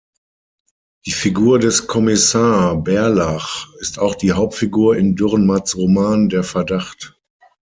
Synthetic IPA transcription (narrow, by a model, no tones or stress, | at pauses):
d̥iːfiɡuːɐdɛskʰɔmɪsaːbɛɐlaχɪstaʊxd̥iːɦaʊp̚tfiɡuːɐɪndʏʁnmat͡sʁomaːndeːɐfɛɐdaχt